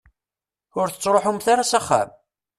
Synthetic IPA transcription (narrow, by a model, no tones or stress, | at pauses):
ʊɾθət͡sːɾˤoħumθaɾasaχːa̰m